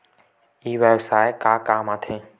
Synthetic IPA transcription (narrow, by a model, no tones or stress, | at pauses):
iːʋeːbsaːɪkaːkaːmãːt̪ʰẽː